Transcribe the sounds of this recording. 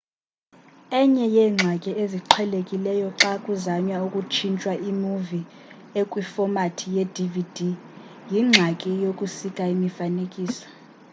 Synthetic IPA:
ɛɲɛjɛːŋ͡ǀʱakʼieziǃʰwɛlekʼilɛjɔǁakʼuzaɲwaukʼut͡ʃʰint͡ʃʼwaʔimuvi | ekʼwifɔmatʰijedʱividʱi | jiŋ͡ǁʱakʼijokʼusikʼaimifanekʼiːsɔ̥

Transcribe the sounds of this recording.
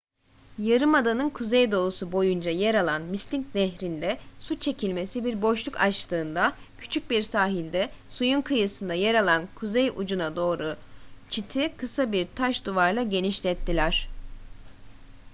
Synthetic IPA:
jaɾɯmad̪anɯnkʰuzejd̪o̞usubo̞jund͡ʒajeɾalˠanmist̪ʰiŋcnɛɦɾind̪ɛsut͡ʃʰe̞cʰilʲme̞sibiɾboʃlˠukʰa̰t͡ʃt̪ɯːnd̪acʰy̥t͡ʃʰyc̚biɾsaːɦilʲd̪ɛsujunkʰɯjɯsɯnd̪ajeɾalˠankʰuzejud͡ʒunad̪o̞ːɾut͡ʃʰit̪ʰikʰɯsabiɾt̪ʰaʃd̪uvaɾlˠaɟe̞niʃlʲɛt̪ʰːilʲæɾ̝̥

